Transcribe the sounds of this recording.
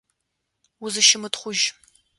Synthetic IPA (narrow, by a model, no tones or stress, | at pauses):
ʊzɨʃɪmɨtχʷʊʒ